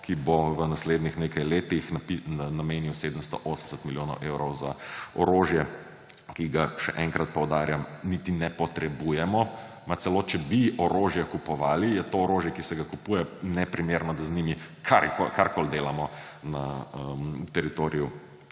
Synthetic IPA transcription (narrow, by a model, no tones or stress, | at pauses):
kiboʋənasleːd̪nixneːkajleːt̪ixnpinameːnjiwseːd̪əmst̪ɔʔoːsən̩sət̪miljoːnɔʊʔeːwɾɔwzaɔɾoʒjɛ | kiɡaʃɛʔɛŋkɾat̪̚pɔwd̪aːɾjamnit̪inɛpɔt̪ɾɛbujɛmɔ | mat̪sɛloːt͡ʃɛbiɔɾoʒjɛkupɔʋaːlijɛt̪oɔɾoːʒjɛkisɛɡakupuːjɛnɛpɾimeɾnɔd̪aznimi | kʰaɾkokaɾkold̪eːlamɔ | naəmt̪ɛɾit̪oɾiju